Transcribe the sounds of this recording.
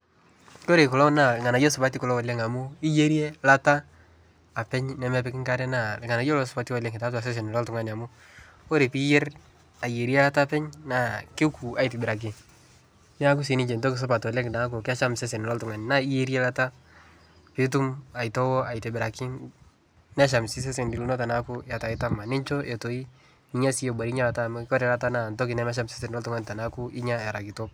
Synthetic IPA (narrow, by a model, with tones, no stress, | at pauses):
ko˦ɾe˨kɔ˨lɔ˦na˦˨lɪ˨ŋa˨na˨jo˦sʊ˨pa˦ti˦kɔ˨lɔ˦wɔ˨le˦ŋa˨mʊ˦i˦je˦ɾje˦la˦taː˦˨ | pɛ˦ɲnɛ˨˦mɛ˦p̬ɛ˦kɪ˦ŋka˦ɾɛ˦na˦˨lŋa˨na˨jo˦lɔ˦s̬ʊ˨pa˦ti˦wɔ˨le˦ŋɪ˨ta˦ta˨s̬e˦s̬e˨n˨lɔ˦ltʊ˦ŋa˦ni˨a˨mʊ˦ | o˦ɾe˨pi˦je˦ɾ | a˨je˨ɾje˦la˦ta˦pɛ˦ɲna˦˨kɪ˦ku˨a˦i˨tɪ˨bɪ˨ɾa˨k̬ɪ˨ŋ | ɲa˦k̬u˦s̬i˨˦nɪ˦d͡ʒe˨nto˦ki˨s̬ɔ˦pa˨tɔ˨lɛ˦kna˨˦k̬ʊ˨kɪ˦a˦ʃa˦mse˦se˨n˨lɔ˦ltʊ˨ŋa˨n˨na˦i˦je˦ɾje˦la˦ta˦ | pɪ˦t̬u˦ma˨ɪ˨tɔ˦wɔ˦a˨ɪ˨te˨bɪ˨ɾa˨kɪ˦ŋ | nɛ˦ʃ̬a˨msɪ˦s̬e˦s̬e˨ndɪ˨lnɔ˦ta˨na˦kʊ˦ja˨ta˨ɪ˦ta˦ma˨nɪ˦nt͡ʃo˦ʔe˨to˨i˦ | i˦ɲa˦si˦jo˨ba˨ɾi˦ɲa˦la˨ta˦m˦kɔ˦ɾɛ˨la˦ta˦na˨ntɔ˦kɪ˨nɛ˦mɛ˦ʃ̬a˦mse˦se˨nɔ˦ltʊŋa˦nɪta˨na˦ku˦ɪ˦ɲa˦ɛ˨ɾa˨ki˨to˦p̚